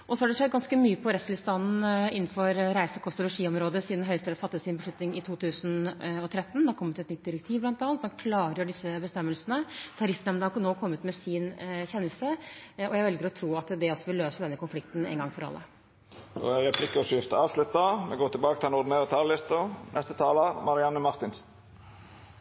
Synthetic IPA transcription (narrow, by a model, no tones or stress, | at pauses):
ʔɔsɔhɑɖɛʂɛd̪ːɡɑnskəmyːəpʰɔɾɛt̪st̪ʰɪlst̪ɑnn̩ɪnːn̩fɔɾɾæɪsəkʰɔst̪ʊlʊʂiːɔmɾoːd̪əsiːd̪n̩ɦœʏst̪ɛːfɑt̪ːəsɪnbəʂɭʉt̪nɪŋɪt̪ʰuːt̪ʰʉːsnɔt̪ʰɾɛt̪ːn̩d̪ɛɑɾkʰɔmːət̪ɛt̪nʏt̪̚d̪ɪɾɛk̚t̪ʰiːʋblɑnt̪ɑːɑnt̪sɔmkʰlɑːɾjəɖɪsəbəst̪ɛmːəlsənət̪ʰɑɾɪfnɛmd̪ɛhɑnoːkʰɔmːət̪mɛsɪnçɛnːəlsəɔjæɪʋɛlɡəɾɔt̪ʰɾuːɑt̪d̪ɛɔsːɔʋɪlːøːsəd̪ɛnːəkʊnflɪk̚t̪n̩ɛ̰ːnɡɑŋfɔɾɑ̰lːʔə̰ | ɔ̰ɾɛpʰlɪkːəɾɔʂʏft̪əɑːʋslʉt̪ːɑmɛɡoːt̪ɪlbɑːkət̪ʰɪlɛnɔɾd̪ɪneːɾət̪ʰɑllɪst̪ɑnʔɛst̪ət̪ʰɑːləɾmɑɾɪɑnːəmɑɾt̪ɪnsn̩